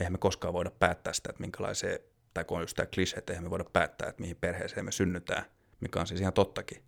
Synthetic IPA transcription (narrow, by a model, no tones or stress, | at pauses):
ehæmekoskɑːʋoidɑppæːt̪ːæːsi̥t̪æt̪miŋkælɑ̰isḛː | t̪ɑikoonust̪æ̰kliseːt̪ːeihæmeʋoidɑppæ̰ːt̪ːæ̰ːet̪mihimperhḛːseːmesynːyt̪æ̰ː | mikɑ̰nsisihnt̪ot̪ːɑki̥